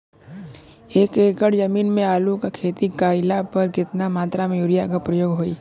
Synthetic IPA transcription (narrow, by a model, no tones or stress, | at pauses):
eːkeːkəɽd͡ʒəmiːnmẽaːlukakʰeːt̪ikaːɪlapɐɾkɪt̪namaːt̪ɾamẽjuɾijakapɾəjoːɡɦoːiː